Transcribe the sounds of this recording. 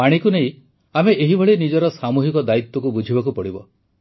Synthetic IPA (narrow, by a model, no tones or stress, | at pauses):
paɽ̃ikunej̃ | ameʔeɦibʱɔɭinid͡ʒɔɾɔsamuɦikɔd̪ait̪wɔkubud͡ʒʱibakupɔɽibɔ̰